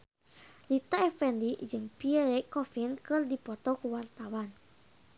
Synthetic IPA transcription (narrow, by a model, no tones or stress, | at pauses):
lit̪aɛfɛndid͡ʒɨŋpiɛɾɛkːɔfinkɨrdipɔt̪ɔkəwart̪awan